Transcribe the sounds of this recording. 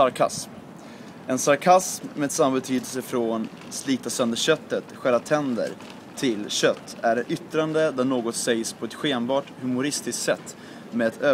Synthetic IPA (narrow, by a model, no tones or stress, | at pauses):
aɾkʰa̰sm | ɛnsaɾkʰasmmeɛd̪samːabɛt̪ʰyːd̪əlsəfɾon | sliːt̪asœnd̪əɕœt̪ːət̪ɧæɾat̪ʰɛnd̪ə̰ɾ | t̪ʰːɪlɕœt̪ʰːæɖɛʔʏt̪ɾand̪əd̪æɳoːɡɔt̪sɛjspʰɔɛt̪ɧeːnbɑːʈhɵmʊɾɪst̪ɪsk̪sɛt̪ː | meːd̪ɛt̪øː